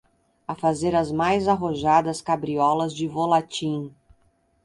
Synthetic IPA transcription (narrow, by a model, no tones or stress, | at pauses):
ɐfazeɾɐzmajzaɦoʒad̪ɐskabɾiɔlɐzd͡ʒɪvolat͡ʃĩ